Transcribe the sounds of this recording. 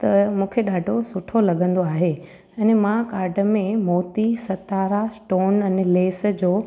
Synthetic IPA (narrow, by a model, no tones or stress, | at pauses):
t̪ɐmũːkʰeɗaːɖʱosʊʈʰolɐɠʱə̃nd̪oaːɦe | ɛːnmãkaːɾɖʱəmẽmɔːt̪isɐt̪aːɾasʈoːnɛnleːsə̆d͡ʑoː